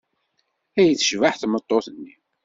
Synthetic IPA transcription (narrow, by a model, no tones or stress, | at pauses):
æjəθə̥ʃvaħθmət̪ˤːoθənːi